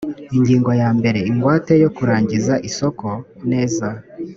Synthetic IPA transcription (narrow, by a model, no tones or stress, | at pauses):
iɲɟiːŋɡo̞jaːmbe̞ɾe̞iŋɡwaːte̞jo̞kuɾaːɲɟizaʔiso̞ko̞ne̞ːza